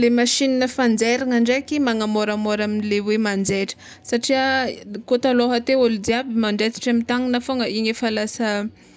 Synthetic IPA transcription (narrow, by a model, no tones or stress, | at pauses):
lemaʃininəfand͡zeɾaŋaɳɖ͡ʐekimaŋamoɾamoɾaminilewemand͡zeʈ͡ʂə̥ | saʈ͡ʂiakot̪aloɦat̪eolud̪iabimaɳɖ͡ʐet͡si̥ʈ͡ʂamit̪aŋinafoŋəiɲefalasə